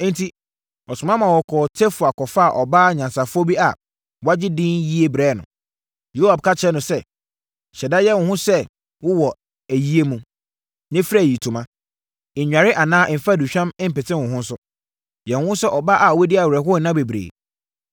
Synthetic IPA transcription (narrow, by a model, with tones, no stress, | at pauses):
n̩˦tʰi˦ | ɔ˨sʊ˨mã˦mã˨wɔ˨kʰɔː˨tʰe˦fʊ˨a˨kʰɔ˨fa˦a˨ʔɔ˨ba˦˨ɲã˨nsa˨fʊ˦ɔ˦bi˦a˨ | wa˦d͡ʑɪ˦dɪ̃˦nji˦e˦bɾɛː˦˨nʊ̰̃˨ | jo˦a˨b̚kʰa˦t͡ɕʰɪ˦ɛ˦nʊ̃˨sɛ˦ | ɕɛ˨da˦jɛ˦wʊ̃˨hʊ̃˦sɛ˦ | wʊ˦wɔ˨ | æ˨ji˦e˦mũ˨ | nɛ̃˦fa˦˨ji˨tʰũ˨mã˦ | ɪ˨ɲᶣ˨a˨ɾɪ˦ʔa˨nãː˦ʔm̩˨fa˦˨du˨ɕᶣã˦m˦m̩˦pɛ˨tʰɪ̃˦wʊ̃˨hʊ̃˦n̩˦sʊ˦ | jɛ˨wʊ̃˨˦hʊ̃˦sɛ˦ʔɔ˨ba˦ʔa˨wɛ˦dɪ˦a˨wɾɛ˨ɦʊ˦˨nã˦be˨bɾḛː˨